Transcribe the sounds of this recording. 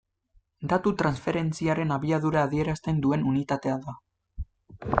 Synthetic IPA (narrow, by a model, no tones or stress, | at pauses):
d̪at̪ut̪ɾansfe̞ɾe̞nt͡siaɾe̞naβiaðuɾaːðie̞ɾast̪e̞nd̪ue̞nunit̪at̪e̞aða